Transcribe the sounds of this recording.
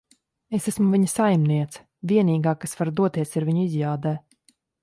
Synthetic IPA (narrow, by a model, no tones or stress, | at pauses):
esæsmuvʲiɲəsajmniɛt̪s | vʲiɛniːɡaːkasvaɾd̪uɔt̪iɛsiɾviɲuizjaːd̪ɛː